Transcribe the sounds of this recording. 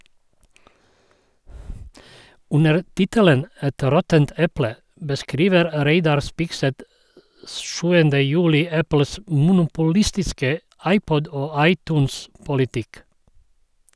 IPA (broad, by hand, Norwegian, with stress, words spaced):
ˈʉnəɾ ˈtɪtələn ˈɛt ˈɾɔtənt ˈɛplə bəˈskɾiːʋəɾ ˈɾeɪdɑɾ ˈspɪkˌsɛt ə ˈʃʉːəndə ˈjʉːlɪ ˈæpl̩s mʊnʊpʊˈlɪstɪskə ˈɑɪˌpɔd ˈoː ˈɑɪˌtuːnspʊlɪˌtɪk